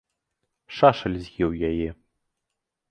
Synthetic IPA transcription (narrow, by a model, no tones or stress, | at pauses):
ʂaʃɐlʲzʲjɛwjajɛ